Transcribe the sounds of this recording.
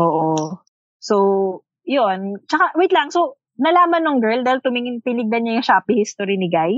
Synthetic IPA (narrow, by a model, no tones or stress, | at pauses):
ʔoːʔo | sow | jont͡ʃɐkaʔwit̪laŋsow | nɐlaːmɐnːʊŋɡɛɹld̪aːhɪlt̪ʊmɪŋɪnp̪ɪnɪɡ̚d̪ɐnɲajʊŋʃaːpihɪst̪oɾɪnɪɡaj